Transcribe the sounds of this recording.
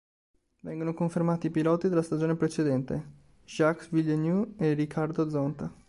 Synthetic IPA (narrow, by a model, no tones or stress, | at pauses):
vɛŋɡonokoɱfermaːt̪iːpilɔːt̪id̪elːast̪ad͡ʒoːnepɾet͡ʃed̪ɛnt̪ḛ | ʒakːsvilːanuerikʰːaɾd̪od̪zɔnt̪